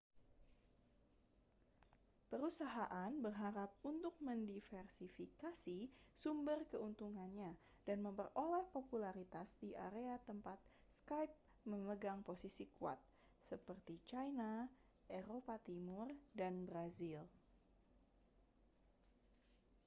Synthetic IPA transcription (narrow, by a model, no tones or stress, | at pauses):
pəɾusaɦaʔanbərɦaɾap̚unt̪ʊk̚məndifɛrsifikasisumbərkəunt̪uŋanɲa | danməmpərolɛhpopulaɾit̪asdiʔa̰ɾeat̪əmpat̪̚skajp̚ | məməɡaŋposisikua̰t̪̚ | səpərt̪it͡ʃajna | ʔeɾopat̪imʊrdanbɾazil